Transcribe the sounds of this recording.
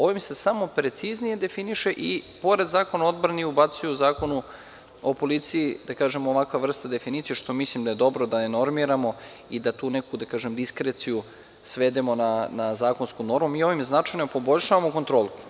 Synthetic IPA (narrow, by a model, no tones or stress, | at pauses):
o̞ʋimse̞samo̞pɾe̞t̪siznije̞d̪e̞finiʃe̞ʔipo̞ɾe̞d̪zaːko̞nao̞d̪bɾaniubat̪sujuzaːko̞nu | opo̞lit̪siid̪akaːʒe̞moʋakʋaʋr̩st̪ad̪e̞finit̪ijeʃt̪o̞mislimd̪aje̞d̪o̞bɾo̞d̪aneno̞ɾmiɾamo̞ | id̪at̪uːnekud̪akaːʒemd̪iskɾet̪siju | sʋe̞d̪emo̞nanazaːko̞nskuno̞ɾmumiːo̞ʋimznat͡ʂajnopo̞bo̞ʎʲʃaʋamoko̞nt̪ɾo̞ːlˠu